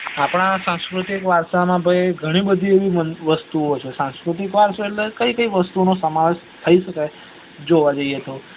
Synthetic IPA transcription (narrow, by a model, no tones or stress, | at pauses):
apɽ̃asãskɾut̪ikʋaɾʃamãbʱəjɡʱəɽ̃ibəd̪ʱieʋiʋəst̪uot͡ʃʰesãŋskɾut̪ikʋaɾʃoelːekəikəiʋəst̪unosəmaʋeʃ | t̪ʰəiʃəkaj | d͡ʒoʋad͡ʒəiet̪o